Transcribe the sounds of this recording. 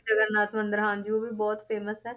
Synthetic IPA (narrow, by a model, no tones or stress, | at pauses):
ɐɡəɾnaːt̪mə̃nd̪əɾɦãːnd͡ʒiobʱibɔːt̪peːməsɦɛː